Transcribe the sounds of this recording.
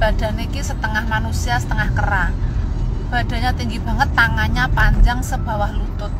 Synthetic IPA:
b̥ad̥a̤nekisət̪əŋahmanusiasə̥t̪əŋahkəra | b̥a̤d̥a̤ɲat̪iŋɡib̥a̤ŋət̪ːaŋaɲapaɲd͡ʒaŋsəb̥a̤wahlut̪ʊt̪̚

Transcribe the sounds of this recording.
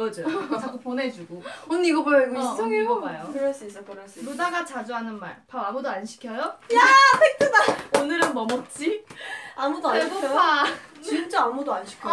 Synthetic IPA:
ʌd͡ʑot͡ɕʰak͈opone̞d͡ʑuɡooneiɡʌbojoiɡsʰoŋiɡomajokɯɾʌɭs͈is͈ʌkɯɾʌɭs͈dodaɡat͡ɕad͡ʑuɦanɯnma̰ɭpaoamudoanɕʰi̥kʰjʌjojapʰek̚tʰɯdaonɯɾɯnmʌmʌt̚t͡ɕ͈ʰiamudoaɡʌat͡ɕint͡ɕ͈aːmudoanɕʰi̥kʰʌ

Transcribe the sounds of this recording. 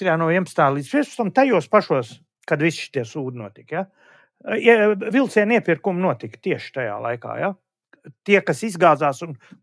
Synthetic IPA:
ɾaːnuɔiɛmst̪aːlˠid̪pɾiɛsu̥st̪amt̪ajuɔspaʃuɔs | kad̪ʋisʃi̥t̪iɛsuːd̪ʲnuɔt̪ʲikja | iɛvilˠt̪siɛniɛpiɾkumnuɔt̪ikt̪iɛʃt̪aja̰ːlˠa̰jka̰ːja | t̪iɛkasizɡaːd̪zaːsun

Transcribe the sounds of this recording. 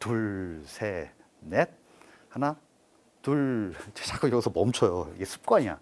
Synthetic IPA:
tuɭsʰe | net̚ | hana | tuɭt͡ɕet͡ɕʰak͈ʰɯɡjʌɡusʰʌmʌmt͡ɕʰʌjoḭɡesʰu̥p̚k͈waɲia̰

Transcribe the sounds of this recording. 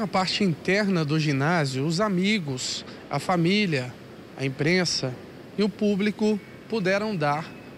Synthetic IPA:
ɐpaɾt͡ʃɪĩnt̪ɛɾnɐd̪ʊʒinazjʊːzamiɡʊs | ɐ̰familjɐ | ɐ̰ẽpɾẽsɐ | ɪʊpublikʊ | pod̪ɛɾɐ̃w̃d̪aɾ

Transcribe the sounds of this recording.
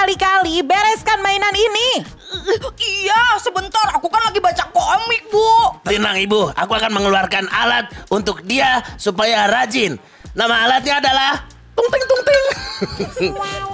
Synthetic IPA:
alikalibɛɾɛskanmainanini | ijasəbənt̪ɔrakukanlaɡibat͡ʃakomɪk̚bʊt̪inaŋibʊa̰kuakanməŋəluarkanʔa̰lat̪̚unt̪ʊk̚diasupajaɾad͡ʒɪnː | amaːlat̪̚ɲaːdalah | t̪uŋt̪ɪŋt̪uŋt̪ɪŋ

